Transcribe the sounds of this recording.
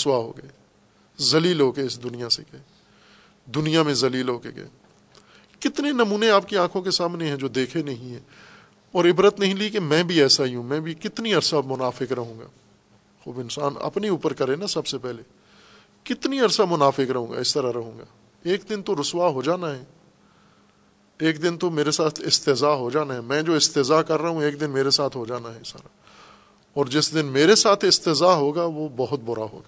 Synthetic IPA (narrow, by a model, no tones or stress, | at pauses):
ɾʊswaɦo̰ːɡɐe | zɐliːlɦoːkeɪsd̪ʊnijaseke | d̪ʊnijamẽzɐliːlɦoːkḛɡḛe | kɪt̪nenɐmuːneaːp̚keãːkʰõkesaːmneɦɛ̃d͡ʒoːd̪eːkʰenɐɦĩɦɛ̃ː | ɔːɾɪbɾət̪nɐɦĩlikemɛ̃ːbʱiɛːsaɦiũmɛ̃bʱikɪt̪niɐɾsamʊnaːfɪkɾɐɦũːŋɡa̰ː | xuːbɪnsaːnɐ̰pniuːpəɾkɐɾenasɐbsepɛɦle | kɪt̪niɐɾsamʊnaːfɪkɾɐɦũːŋɡa̰ːɪst̪ɐɾaɾɐɦũːŋɡa̰ː | eːkd̪ɪnt̪oɾʊswaɦod͡ʒaːnaɦɛː | eːkd̪ɪnt̪omeːɾesaːt̪ʰɪst̪ɪzaːɦod͡ʒaːnaɦɛmɛ̃ːd͡ʒoːɪst̪ɪzaːkɐɾːɐɦũeːkd̪ɪnmeːɾesaːt̪ʰɦod͡ʒaːnaɦɛɪsa̰ːɾa | ɔːɾd͡ʒɪsd̪ɪnmeːɾesaːt̪ʰɪst̪ɪzaːɦoːɡaʋobɐɦʊt̪̚bʊɾa̰ɦo̰ːɡaː